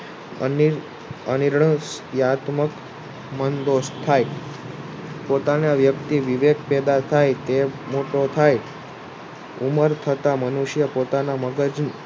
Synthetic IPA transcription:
əniɾɳəsjat̪mək | mənd̪ost̪ʰːaj | pot̪aneaʋjəkt̪iʋiʋek̚pɛd̪at̪ʰajt̪emoʈot̪ʰaj | uməɾt̪ʰət̪amənuʃjəpot̪anaməɡəd͡ʒn

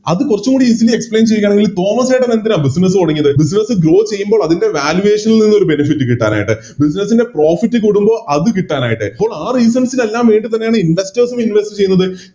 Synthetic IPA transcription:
ɐðɨkurɐt͡ɕːukuːɽiisiliekspɭeːnt͡ɕe̞jːaːɳeŋɡilt̪o̞ːmɐsejʈːɐnend̪iɾaːbisinɐs̬ɨkoɽɐŋːɐðɨbis̬inɐsɨɡɾo̞ːt͡ɕe̞jːumboːɭɐðinde̞ʋaːljuʋe̞ːʂɐnilninːo̞ɾube̞nɐfitːɨkiʈːaːna̰ːjiʈːɨ | bis̬inɐsinde̞pro̞ːfitːɨkuɽumbo̞ːɭʔɐðɨkiʈːaːnaːjiʈːɨ̰pːoːɭaːriːs̬ɐnsile̞lːaːmʋeːɳɖit̪̬ɐnːejaːɳɨinɖɐstɐːsuminʋestɨt͡ɕe̞junːɐðɨ

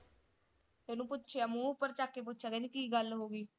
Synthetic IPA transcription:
t̪eːnũːpʊt̪ːʃʰeamũːʊpːəɾt͡ʃaːkːeːp̬ʊt̪ːʃʰaːɡɛd̪iːkiːɡəlɦoːɡiː

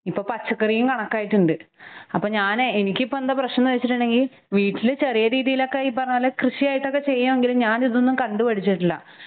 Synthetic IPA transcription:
ipːo̞ːpɐt͡ɕːɐkːɐrijumkɐɳɐkːaːjiʈːuɳɖɨɐpːo̞ːɲaːneenikʲːɨipːond̪ɐprɐɕnɐnuʋet͡ɕːiʈ̬ːuɳɖe̞ŋɡil | ʋiːʈːilɨt͡ɕe̞rijɐɾiːðijilo̞kːeipːɐrɐɲːɐlːɐkrɨɕijaːjiʈːo̞kːe̞t͡ɕe̞jːaʋe̞ŋɡilumɲaːniðonːumkɐɳɖupɐɽit͡ɕːiʈːilːɐ̰

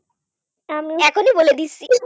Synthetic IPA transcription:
amiɛkʰoniboled̪itːɕʰi

